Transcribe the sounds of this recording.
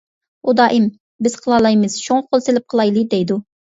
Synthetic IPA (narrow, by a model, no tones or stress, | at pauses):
ud̪ɑːʔim | bɪz̥qʰəlˠɑlˠɑjmɨz̥ʃoŋqʰolˠselɪp̚qʰəlˠɑjlˠɨd̪ɛjd̪u